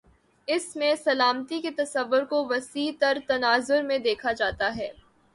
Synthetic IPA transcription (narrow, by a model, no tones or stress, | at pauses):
ɪsmẽsɐlaːmt̪iket̪ɐsɐʋːʊɾkoʋɐsiːt̪ɐɾt̪ɐnaːzʊɾmẽd̪eːkʰad͡ʒaːt̪aɦɛː